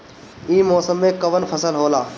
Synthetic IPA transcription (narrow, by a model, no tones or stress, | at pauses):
ĩːmɔːsəmːẽːkəʋənpʰəsəlɦoːlaː